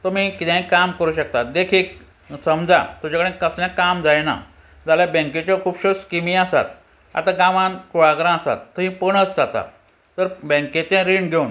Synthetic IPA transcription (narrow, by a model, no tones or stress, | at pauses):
t̪ɔmiːkit̪ɛ̃ɦĩkamkəɾuːɕək̚t̪ad̪ekʰiːk | səmd͡za̰t̪ud͡ʑakəɽẽkəsljãkamd͡zajna̰ | d͡zaljabə̃ŋket͡ɕjɔkʰuːbɕoskimĩasa̰t̪̚ | a̰t̪ãɡãʋãnkuɭaɡɾãasa̰t̪ːəɦĩpəɳəsd͡zat̪a̰ | t̪əɾbə̃ŋket̪ẽɾiɳɡʱeun